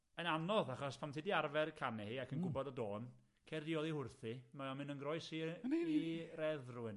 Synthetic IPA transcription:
ənanɔðaχɔspʰamtʰɪdiarvɛrkʰanɛhiakʰənɡʊbɔdədoːn | kʰerdiɔðˠihʊrθimaɔmɨnənɡrɔɨsiirɛðrʊɪn

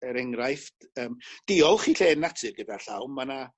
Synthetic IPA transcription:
əɾɛŋrajf | əːmd̥ɪɔlˠχiːɬeːnːatʰɨrɡədarɬa̰wmmana

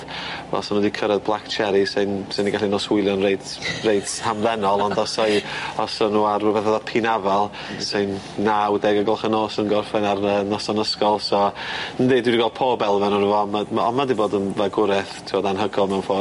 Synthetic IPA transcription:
vɛ̰lˠsɔnɔdikʰəɾɛðblˠakt͡ʃʰɛɾisɪnsɪniɡaɬinoswʊɨlˠjɔnrejdrejdhamðɛnɔlˠɔndɔsɔjɔsɔnuːarɔbɛθaðɔpʰinavalˠ | sɨnː | awdɛɡəɡɔlˠχənoːsənɡɔrfɛnarənɔsɔnəskɔlˠsɔəndeːdwidiɡalˠpʰoːbɛlˠvɛnunəvɔmaɔ̰madiboːdənvaɡʊɾɛθtʰɪwɔdanɦəɡɔlˠmɛwnfoː

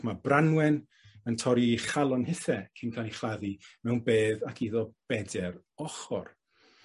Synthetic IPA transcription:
mabranwɛn | əntʰɔɾiχalˠɔnhɪθɛkʰinkʰalˠiχlaðimɛwnbeːðakʰiðɔb̥ɛdɛr | ɔχɔ̰r

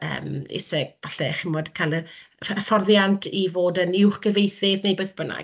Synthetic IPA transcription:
ə̰ːmɪ̰sɛɡ̚vaɬɛχɪmɔdkʰajləəfɔrðjantʰivoːdənɪwχɡ̥əvejθɪðnejbeθb̥əna̰

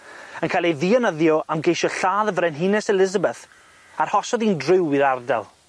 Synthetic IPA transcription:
ənkʰajlejðiːɔnəðjɔʔamɡejʃɔɬaːðəvɾɛnɦɪnɛsɛlɪzəbɛθ | arhɔsɔðiːndrɪwiɾardɛ̰lˠ

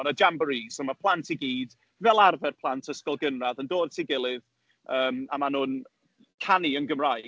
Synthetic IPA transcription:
nəd͡ʒambəɾiːsɔmapʰl̥ˠantʰiɡiːd | vɛlˠarvɛrpʰlˠantʰəskɔlˠɡənraðəndoːd̥tʰiɡɪlˠɪð | əːma̰manuːn | kʰaniənɡəmraj

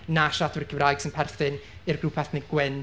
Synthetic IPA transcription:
naʃatʰɪɾkʰəvrajɡ̥sɪnpʰɛrθɪnɪrɡrupʰɛθnɪɡ̥wɪn

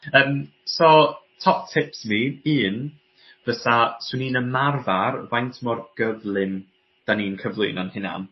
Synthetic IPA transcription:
əːm | sɔtʰɔp̚tʰɪpsmiɨːn | vəθaswɪniːnəmarvarvajntʰmɔrɡ̥əvlˠɪn | d̥aniːnkʰəvlˠʊnanhɪna̰n

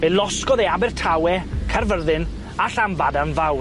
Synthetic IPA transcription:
elˠɔskɔðeabɪrtʰawɛkʰarvərðɪn | aɬamvadanvaw

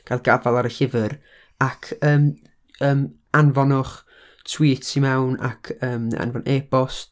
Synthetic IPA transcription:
ɡ̥alˠɡavalˠaɾəɬɪvɨɾ | akʰəːm | əːm | anvɔnʊχ | tʰw̥iːtʰimɛwna̰kʰəːma̰nvɔnʔeːbɔs

